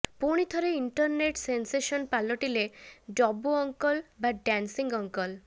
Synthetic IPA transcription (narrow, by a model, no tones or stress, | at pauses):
puɽ̃it̪ʰɔɾeiɳʈɔɾneʈsenseʃɔnpalːoʈiled͡ʒɔbːuɔŋkɔlbaɖɛnsiŋɡɔŋkɔl